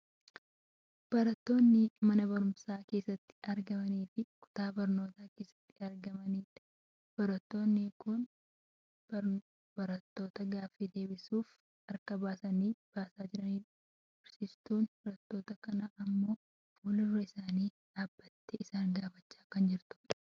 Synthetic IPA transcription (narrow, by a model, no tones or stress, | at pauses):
b̥ɐɾɐt̪ːo̞ːnːɪmɐnɐbɐɾʊmsaːke̞ːsːɐt̪ːɪ̥ʔɐɾɡɐmɐniːfɪkʊ̥t̪aːbɐɾno̞ːt̪aːke̞ːsːɐ̥t̪ːɪɐɾɡɐmɐniːt̪ːɪ̥ | b̥ɐɾɐt̪ːo̞ːnːɪkʊn | b | bɐɾɐt̪ːo̞ːt̪ɐɡaːfiːd̪e̞ːbɪsuːf | ɐɾkɐbaːsɐniːb̥aːsaːd͡ʒɪɾɐniː | ɪɾsɪst̪uːnbɐɾɐt̪ːo̞ːt̪ɐkɐnɐʔɐmːo̞ː | fulʊrːɐɪsaːniːᶑ̪aːbːɐt̪ːɛʔɪsaːŋɡaːfɐt͡ʃːaːkɐnd͡ʒɪɾt̪ʊ̥ᶑɐ̥